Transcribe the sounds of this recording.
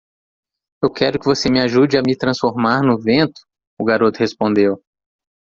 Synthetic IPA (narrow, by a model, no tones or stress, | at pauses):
ewkʰɛɾʊkɪvosemɪaʒud͡ʒɪamɪt̪ɾɐ̃sfoɾmaɾnʊvẽt̪ʊ̥ː | ɡaɾot̪ʊhespõnd̪ew